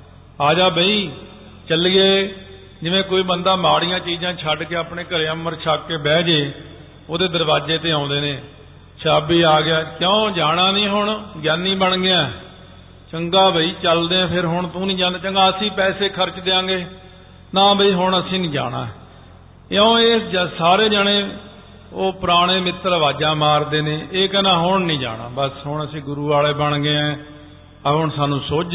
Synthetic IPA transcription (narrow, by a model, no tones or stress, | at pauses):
aːd͡ʒaːbəiː | t͡ʃəlɡeː | d͡ʒɪʋẽːkoːiːbənd̪aːmaːɽɪjãːt͡ʃiːd͡ʒãːt͡ʃʰəɖkeːapɳeːkəɾeːəməɾt͡ʃʰaːkːeːbɛːd͡ʒeː | oːd̪eːd̪əɾbaːd͡ʒeːt̪eːãːʊnd̪eːneː | t͡ʃʰaːbiːaːɡɪjaːkjõːd͡ʒaːɽ̃ãːnĩːɦʊɳɡjaːnːĩːbəɳɡɪãː | t͡ʃəŋɡaːbəiːt͡ʃəld̪eːãːpʰɪɾɦʊɳt̪õːnĩːd͡ʒãːnd̪aːt͡ʃəŋɡaːəsĩːpɛːseːkʰəɾt͡ʃd̪eːãːɡeː | nãːbəiːɦʊɳəsĩːnĩːd͡ʒa̰ːɽã̰ː | õːeːd͡ʒsaːɾeːd͡ʒaɽẽː | oːpɾaːɽ̃eːmɪt̪ːɾʋaːd͡ʒaːmaːɾd̪eːneːʔeːkɛnãːɦʊɳnĩːd͡ʒa̰ːɽã̰ːbəsɦʊɳəsĩːɡʊɾuːʋaːleːbəɳɡeːɛ̃ː | ɦʊɳsaːnũːsoːd͡ʒ